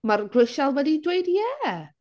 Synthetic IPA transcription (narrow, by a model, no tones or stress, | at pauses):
marɡwɪʃalˠwɛdidweɨdjɛː